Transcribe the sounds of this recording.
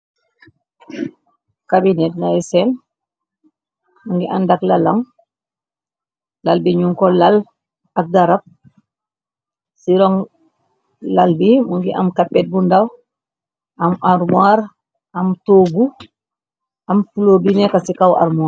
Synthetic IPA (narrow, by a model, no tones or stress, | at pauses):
kabinɛt̚najsɛn | muŋɡiʔandaklalaŋ | lalbiɲuŋkɔlal | ak̚daɾap̚ | siɾɔŋ | lalbimuŋɡiʔa̰mkapːɛt̚bundaw | ʔamʔaɾmwaɾ | amtoːɡu | ʔamfulobinɛkasikawa̰ɾmuaː